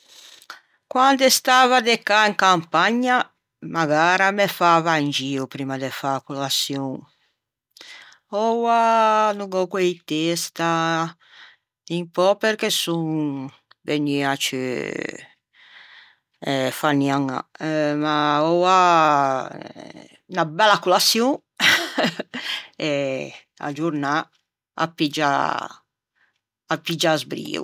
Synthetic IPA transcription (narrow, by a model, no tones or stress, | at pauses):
kwand̪est̪aːvad̪ekaiŋkampaɲa | maɣaːɾamefavaind͡ʒiːupɾiːmad̪efakulasjɔŋ | ɔwanuŋɡɔkwejt̪est̪a | impɔpeɾkesuŋ | veniat͡ʃḭ | ɛfaniaŋa̰maɔwa | nabɛlːakulasju | ɛ | a̰d͡ʒuɾna | a̰pːid͡ʒa̰ | apːid͡ʒazbɾḭːṵ